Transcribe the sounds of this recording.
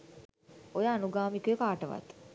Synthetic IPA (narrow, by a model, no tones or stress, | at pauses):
ojaːnuɡaːmikujəkaːʈəʋa̰t̪